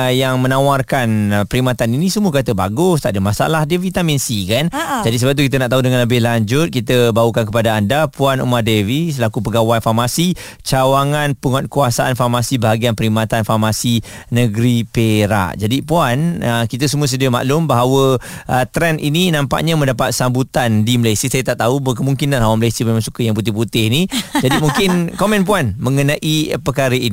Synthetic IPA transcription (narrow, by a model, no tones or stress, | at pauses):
jaŋmə̃nãwarkanpəɾimat̪aninĩsəmuəkat̪əba̰ɡʊst̪a̰ʔdəmasa̰lahdevit̪aminsikand͡ʒadisəbap̚t̪ukit̪̬ənaʔt̪audəŋanləbɪhlaɲd͡ʒʊt̪̚kit̪əbaukank̬əpadaːndapuanṵmardevisəlakupəɡawanfarmasi | t͡ʃawaŋanpuŋɔt̪̚kuasaʔanfarmasibəɦaɡianpəɾimat̪anfarmasi | nəɡɾipeɾa̰ʔd͡ʒadipuanəkit̪as̬əmũəs̬ədiəma̰ʔlʊmbaɦawəət̪ɾɛnʔininãmpa̰ʔɲamə̃ndapat̪̚sambut̪andiməlajsiəsajat̪aʔt̪aɦubək̬əmuŋkinanawaməlajsiəmemãŋsukəjaŋp̬ut̪̬ɪhput̪ɪhnid͡ʒadimuŋkɪnkomɛ̃npuanmə̃ŋənãʔipərkaɾəini